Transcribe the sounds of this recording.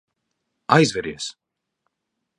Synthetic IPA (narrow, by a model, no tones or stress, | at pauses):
ajzvʲɛɾiɛs